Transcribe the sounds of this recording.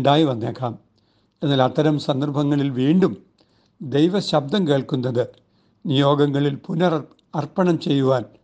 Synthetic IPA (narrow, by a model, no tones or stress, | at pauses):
ɳɖaːjiʋɐnːeːkʰːaːm | e̞nːaːlɐt̪ʰːɐɾɐmsɐnd̪ɐrbʱɐŋːɐɭilʋiːɳɖum | d̪ejʋɐɕɐbd̪ɐmke̞ːɭkunːɐðɨ | nijo̞ːɡɐŋːɐɭilpunɐr | ɐrpɐɳɐmt͡ɕe̞jːuʋaːn